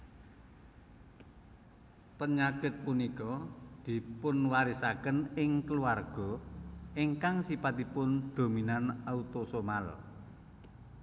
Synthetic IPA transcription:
pəɲaɡ̥ɪt̪̚punikɔd̪̥i̤pʊnwaɾisakənɪŋkəluarɡ̥ɔ̤iŋkaŋsipat̪ipʊnd̪̥o̤minanaut̪osomal

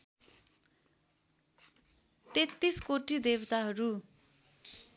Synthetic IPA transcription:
t̪et̪ːiskoʈid̪ebt̪aɦʌɾu

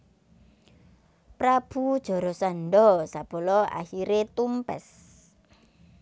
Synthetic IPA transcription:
pɾab̥ṳd̥ʒ̥ɔ̤ɾɔsanɖɔsab̥o̤lɔa̰hiɾet̪umpɛ̰s

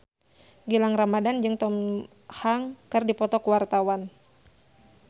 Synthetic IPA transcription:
ɡilaŋramadand͡ʒɨŋt̪ɔm | haŋkɨrdipɔt̪ɔkuwart̪awan

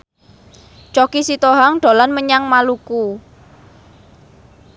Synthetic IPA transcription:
t͡ʃɔkisit̪oɦaŋɖ̥o̤lanməɲaŋmaluku

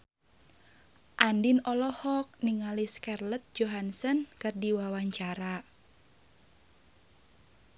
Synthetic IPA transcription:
ʔandinɔlɔhɔk̚niŋaliskɛrlət̪̚d͡ʒoɦansənkɨrdiwawaɲt͡ʃaɾa

